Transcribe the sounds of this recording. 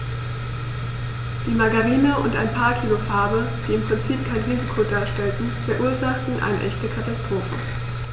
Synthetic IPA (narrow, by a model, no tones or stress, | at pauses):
d̥iːmaɡaʁiːnəʊnta̰ɪnpʰaːɐkʰiːlofaɐbə | d̥iːɪmpʁ̥ɪnt͡siːp̚kʰaɪnʁiːzikʰodaːɐʃtɛltn̩fɛɐʔuːɐzaχtn̩ʔa̰ɪnə̰ʔɛçtəkʰatastʁ̥oːfə